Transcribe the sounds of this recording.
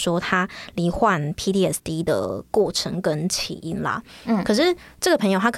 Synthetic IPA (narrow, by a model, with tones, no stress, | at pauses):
ʂwɔ˥t̪ʰa˥li˧˥xwa˥˨npʰi˧˥t̪i˦˥ɛ˥˩st̪i˥d̪ə̰˨kwɔ˥˩ʈ͡ʂʰə˧˥ŋkə˦nt͡ɕʰḭ˨˩ʔi˥˩nlɐ̰˨˥˩kʰɤ˨˩ʂɻ̩˥˩ʈ͡ʂɤ˥˩ɡə˩pʰə˧ŋjo˧a˥kʰ